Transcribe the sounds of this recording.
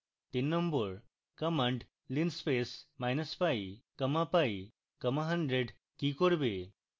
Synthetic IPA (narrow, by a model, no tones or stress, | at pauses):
t̪inːɔmbɔɾ | kɐməɳɖ | linspesmajnəspajkəmapaj | kəmaɦɐnɖɾeɖ | kikoɾbe